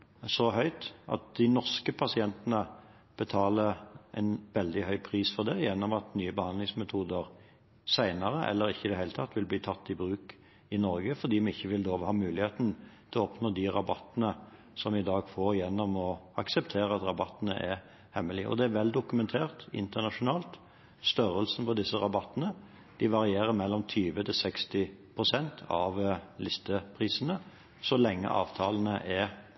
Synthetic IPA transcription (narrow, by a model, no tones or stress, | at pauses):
sɔɦœʏt̪ʔɑ̰t̪̚d̪ɪnɔʁskəpʰɑsɪɛnt̪nə | b̥ət̪ʰɑːləʔɛɪnʋɛld̪ɪhœʏpʰʁiːsfɔd̪ɛjɛnːɔmɑt̪nyːəbəhɑnd̪lɪŋsmɛt̪ʰuːd̪əʁ | sæɪnəʁəʔɛ̰lːəɾɪçːəɪd̪ɛhæɪlət̪ʰɑt̪ːʋɪlbliːt̪ʰɑt̪ːɪbɾʉːk | ɪnɔʁɡəfɔʁd̪iːmɛɪçːəʋɪloːʋhɑːmʉːlɪheːt̪nət̪ʰɛlɔɔpnoːd̪ɪʁɑbɑt̪ːnə | sɔmɪd̪ɑːɡfoːɾjɛnːɔmɔɑksɛpt̪ʰeːɾəɑt̪ɾɑbɑt̪ːənə̰ʔɛɾ | hɛmːəlɪə̰ʔɔ̰d̪ɛæɾʋɛld̪ʊkʉmɛnt̪ʰeːʁt̪ɪ̰nt̪əʁnɑʂʊnɑːlt̪ | st̪œɾəlsn̩pɔd̪ɪsːəɾɑbɑt̪ːənə | d̪̥ɪʋɑɾɪeːɾəɾmɛlːɔmt̪ʰyːʋət̪ʰɪsɛkst̪ɪpʰʁʊsɛnt̪ʰɑ̰ʋlɪst̪əpʰʁiːsənə | sɔlɛŋːə̰ʔɑ̰ːʋt̪ʰɑːln̩əʔɛ